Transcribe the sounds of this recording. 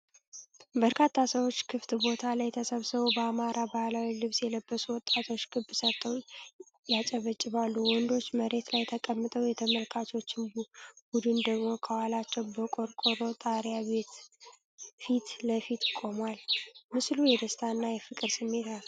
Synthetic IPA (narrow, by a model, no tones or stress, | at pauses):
bəɾkʰat̪ʰːasəwo̞t͡ʃːkʰɨft̪bo̞t̪ʰalajt̪ʰəsəβsɨβobəamaɾabahlawilɨβsjɛləbːəsuwɔt̪ʼːat̪ʰo̞t͡ʃːɡɨbsət̪ʰʼːəw | jat͡ʃʼəβət͡ʃʼːɪβalːuwɔnd̪o̞t͡ʃːməɾe̞t̪lajt̪ʰəkʼəmːɨt̪ʼəwjɛt̪ʰəməlkʰat̪ʰo̞t͡ʃːɪnbud̪ɨnd̪əɡmo̞kʰəwalat͡ʃːɛwbəkʼo̞ɾkʼoɾo̞t̪ʼaɾjaβe̞t̪ | fit̪ləfit̪kʼo̞mwalmɨslujɛd̪əst̪ʰaɨnːajɛfɨkʼɨɾsɨmːe̞t̪a